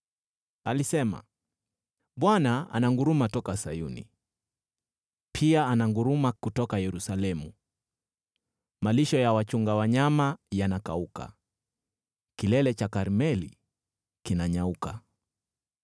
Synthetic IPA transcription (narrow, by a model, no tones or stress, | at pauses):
alisɛma̰ | ɓwanaa̰naŋɡuɾumatɔkasajunḭ | pʰiaanaŋɡuɾumakutɔkajɛɾusalɛmu | maliʃɔjawat͡ʃuŋɡawaɲamajanaka̰uka̰ | kilɛlɛt͡ʃakaɾmɛlḭ | kinaɲauka